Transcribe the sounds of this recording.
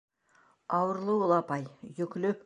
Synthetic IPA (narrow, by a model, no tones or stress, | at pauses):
ɑwəɾlˠəwolˠɑpɑjjɵkʲlɵ